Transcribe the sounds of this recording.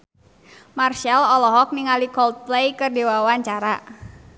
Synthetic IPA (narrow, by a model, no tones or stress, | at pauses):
marʃɛlɔlɔɦɔk̚niŋalikɔlt̪̚plejkərdewawaɲt͡ʃaɾa